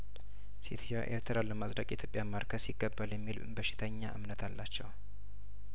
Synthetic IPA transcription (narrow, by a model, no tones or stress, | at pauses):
sit̪ʰjoʔḛɾt̪ʰəɾalːəmasɾəkʼjit̪ʰjo̞pʼjamaɾkʰəsiɡːəbːaljɛmːilbəʃɪ̥t̪ʰəɲːaʔɨ̰mnət̪ʰalːat͡ʃːɛw